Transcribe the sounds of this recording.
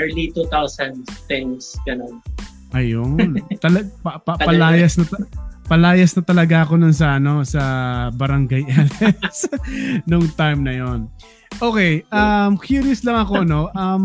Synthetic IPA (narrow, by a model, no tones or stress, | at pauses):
ɛɹlit̪ut̪awsɐnd̪t̪ɛnsɡɐnon | ʔɐjont̪ɐlɐpɐpɐpɐlaːjɐsnɐt̪pɐlaːjɐsnɐt̪ɐlɐɡaɐko̞nʊns̬ɐʔɐno̞sɐbɐɾɐŋɡajʔɛlɛsnoŋt̪ajmnɐjo̞n | ʔo̞kɛjʔɐmkjuːɾjʊslɐŋɐko̞no̞ʔɐm